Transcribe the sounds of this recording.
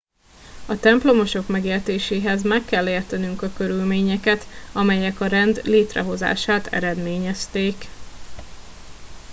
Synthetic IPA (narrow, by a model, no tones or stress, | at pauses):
ɒt̪ɛmplo̞mo̞ʃo̞kmɛɡeːrt̪eːʃeːɦɛzmɛkːɛlːeːrt̪ɛnyŋkɒkø̞ɾylmeːɲɛkɛt̪ɒmɛjɛkɒɾɛnd̪leːt̪rɛ̰ɦo̞za̰ːʃaːt̪ʰɛ̰ɾɛd̪meːɲɛst̪eːk